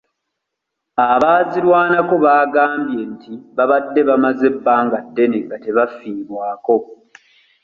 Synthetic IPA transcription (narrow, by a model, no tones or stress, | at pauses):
aβaːziɾwaːnako̞βaːɡaːmbje̞ntiβaβadːe̞βamaze̞bːaːŋɡadːe̞ne̞ŋɡate̞βafiːβwaːko̞